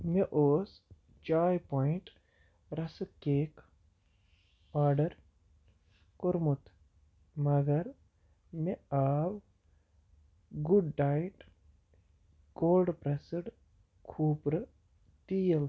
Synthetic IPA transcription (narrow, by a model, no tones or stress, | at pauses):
meʔoːs | t͡ʃaːjpɔːiɳʈ | ɾɐsɨkeːk | aːɾɖɐɾ | koɾmut̪ʰ | mɐɡɐɾ | meaːʋ | ɡuɖːaːjʈ | koːlɖpɾɐsəɽ | kʰuːpɾɨ | t̪ijɐl